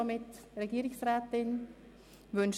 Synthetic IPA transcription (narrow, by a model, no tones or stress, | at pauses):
amɪt | reɡiːɾɪçsʁɛːtɪn | vʏnʃ